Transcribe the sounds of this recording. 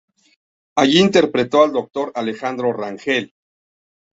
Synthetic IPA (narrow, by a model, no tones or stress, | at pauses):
aʝiːnt̪e̞ɾpɾet̪oald̪ok̚t̪o̞ɾalexand̪ɾo̞raŋxel